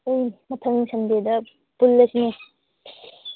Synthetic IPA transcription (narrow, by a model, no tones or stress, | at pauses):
ojmɐtʰɐŋsɐndedɐ | pulːɐsine